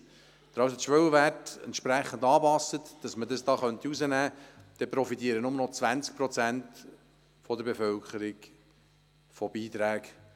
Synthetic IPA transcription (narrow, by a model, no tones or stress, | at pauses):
d̥̪ɾɑwsətʃʋœwəʋætɛ̰ntʃpɾæχːəndɑːbɑsətd̥ɑsmədəsd̥ɑːχœntiuzənæːd̪̥ɛpɾɔfitiːəɾənʊmənɔt͡sʋænt͡sk̚pɾɔt͡sænt | fɔd̪əɾbefœlkʰəɾik | fɔb̥iːt̪ɾæːk